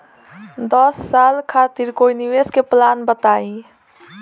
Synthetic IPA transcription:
d̪ɔsːalkʰat̪iɾkoiniʋeskeplanbət̪ai

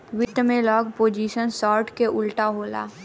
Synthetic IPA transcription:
ʋɪt̪mẽlɔːɡpoːd͡ʒiːʃənsɔːɾʈkeʔʊlʈaɦoːla̰ː

